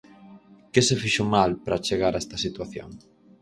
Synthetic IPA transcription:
kesefiʃomalpɾat͡ʃeɣaɾaɛst̪ɐsit̪waθjo̰ŋ

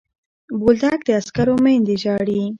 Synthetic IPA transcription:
bold̪ak̚d̪əaskaɾomend̪eʒɑɽi

